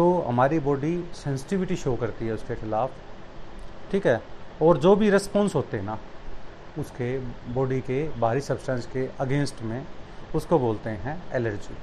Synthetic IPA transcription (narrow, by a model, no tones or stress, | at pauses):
d͡ʒoːɦɐ̰maːɾibɔːɖisɛ̃ːnsɪ̥ʈɪʋɪʈiʃoːkɐɾt̪iɦɛʊskexɪlaːf | ʈʰiːkɦɛːɔːɾd͡ʒoːbʱiɾɪspɔ̃ːnsɦoːt̪eɦɛna | ʊskebɔːɖikebʱaːɾisɐbsʈɛ̃ːnskeʔɐɡẽːnsʈmẽʊskoboːlt̪eɦɛ̃ɛːləɾd͡ʒḭː